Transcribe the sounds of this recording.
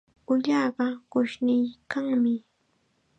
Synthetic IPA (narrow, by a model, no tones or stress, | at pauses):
ʊʎɑːɢɑɢʊʃnɪjkaŋmɪ